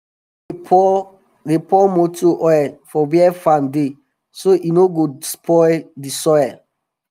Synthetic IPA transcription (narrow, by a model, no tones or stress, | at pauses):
depɔmotuʔɔɛfɔwiɛfãnde | soʔinoɡospʰɔjdisɔjɛ